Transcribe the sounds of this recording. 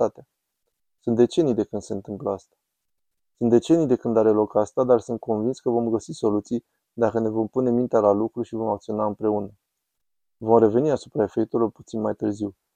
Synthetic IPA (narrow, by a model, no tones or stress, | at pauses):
at̪ea | sunt̪d̪e̞t͡ʃe̞nijd̪e̞kɨnd̪se̞ɨnt̪ɨmpləast̪ḁ | sunt̪d̪e̞t͡ʃe̞nijd̪e̞kɨnd̪aɾe̞lo̞kast̪ad̪arsunt̪̚ko̞nvinskəvo̞mɡəsiso̞lut̪sij | d̪akəne̞vo̞mpune̞mint̪ealalukɾuʃivo̞mak̚t̪sio̞naɨmpɾe̞unə | vo̞mre̞ve̞niasupɾae̞fe̞k̚t̪eilo̞rput̪sinmajt̪ɨrziw